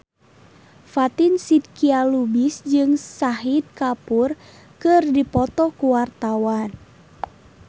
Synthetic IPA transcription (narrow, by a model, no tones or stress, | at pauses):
fat̪insid̪̚kialubisd͡ʒɨŋsaɦid̪̚kapur | kɨrdipɔt̪ɔkuwart̪awan